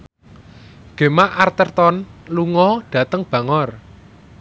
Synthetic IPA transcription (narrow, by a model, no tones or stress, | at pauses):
ɡ̥e̤maʔart̪ərt̪ɔnluŋɔɖ̥ä̤t̪əŋb̥ä̤ŋɔr